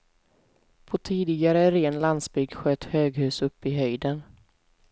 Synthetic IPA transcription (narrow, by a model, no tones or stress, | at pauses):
pʰɔt̪ʰiːd̪ɪɡaɾəɾeːnlansbʏɡɧœt̪ːhøːɡɦʉ̟ːsɵpːɪɦœjd̪ən